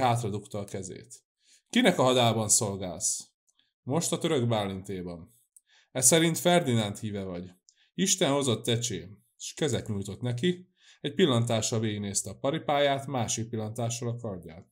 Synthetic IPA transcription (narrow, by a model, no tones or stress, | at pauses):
ɦaːt̪rɒd̪ukt̪ɒːkɛzḛːt̪ | kinɛkɒɦɒd̪aːbɒnso̞lɡa̰ːls | mo̞ʃt̪ɒt̪øɾøɡbaːlːint̪eːbɒm | ɛsɛɾint̪fɛrd̪inɛnt̪hiːvɛvɒɟ | iʃt̪ɛnho̞zo̞t̪ːɛt͡ʃeː | ʃkɛzɛt̪ɲuːjt̪o̞t̪nɛk̬i | ɛcpilːɒnt̪aːʃɒveːɡneːst̪ɛɒpɒɾipaːjaːt̪maːʃik̚pilːɒnt̪aːʃːɒlɒkɒrɟa̰ːt̪